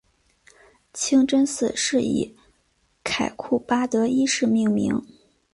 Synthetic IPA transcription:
t͡ɕʰi˥ŋʈ͡ʂə˥nsɹ̩˨˩ʂɻ̩˥˩ḭ˨˩˦ | kʰa˨˩ɪkʰu˥˩pa˥t̪ɤ˧˥i˥ʂɻ̩˥˧mi˥˩ŋmḭ˧˥ŋ

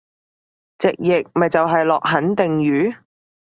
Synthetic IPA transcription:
t͡sɪ˨k̚jɪ˨k̚mɐ˨jt͡sɐ˨wɦɐ˨jlɔː˨k̚ɦɐ˨˥nt̪ɪ˨ŋɥyː˨˥

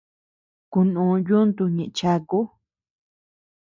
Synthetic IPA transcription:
ku˧nũ˨˧ju˦nd̪u˧ɲĩ˨ʔt͡ʃa˧ku˦

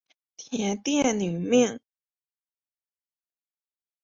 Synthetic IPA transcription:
t̪ʰjɛ˧˥nt̪jɛ˥˩ly˨˩˦miɛ˥˩n

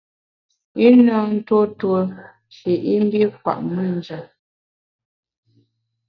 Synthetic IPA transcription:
i˦na˦˨n̩˦two˦two˦ | ʃi˨ʔi˦m̩˦bi˦kwa̰˨ʔmi˦˨n̩˨˦d͡ʒa˨

